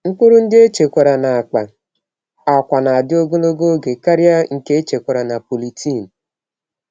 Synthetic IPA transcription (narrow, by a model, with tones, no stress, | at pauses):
ŋ̩˦kʷʊ˦ɾʊ˦n̩˦dɪ˦e˦t͡ʃe˨kʷa˨ɾa˨na˨a˨k͡pa˨ | a˨kʷa˨na˨a˨dɪ˦o˦ɡo˦lo˦ɡo˦ɡe˨ka˦ɾja˦ŋ̩˨ke˦e˦t͡ʃe˨kʷa˨ɾa˨na˨po˨li˨tʰi˦˨n̩˨